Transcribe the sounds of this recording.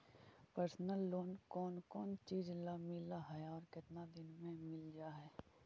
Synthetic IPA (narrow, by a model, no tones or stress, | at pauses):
pəɾsnəlːoːnkɔːnkɔːnt͡ʃiːd͡ʒlamɪlaɦɛɔːɾkɪt̪nad̪ɪnmẽmɪld͡ʒaːɦɛː